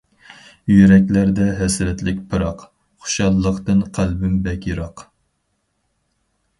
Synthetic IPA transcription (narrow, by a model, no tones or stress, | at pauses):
jyɾɛkʲlæɾd̪ɛɦɛsɾɛt̪lɪk̚ʲpʰɨɾɑq | χʊ̥ʃɑlˠːəqt̪ɨnqʰælbɪmbɛkʲjiɾɑq